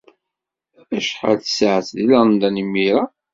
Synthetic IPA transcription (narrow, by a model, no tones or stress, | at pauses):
æʃħə̰lθə̥sʕəθðiləɾˤnd̪ænimːiɾa